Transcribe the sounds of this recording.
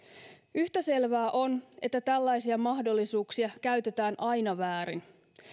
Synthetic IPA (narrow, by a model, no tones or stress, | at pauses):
yht̪æse̞lʋæːʔo̞ne̞t̪ːæt̪ælːæjsiɑmɑɦdo̞lːisuːksiɑkæɥt̪e̞t̪æːnʔɑjnɑʋæːɾin